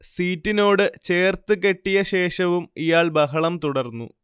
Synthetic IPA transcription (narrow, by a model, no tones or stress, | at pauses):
siːtːino̞ːɽɨt͡ɕe̞ːrt̪ɨke̞ʈːijɐɕe̞ːʂɐʋumijaːɭbɐɦɐɭɐmt̪uɽɐrnːṵ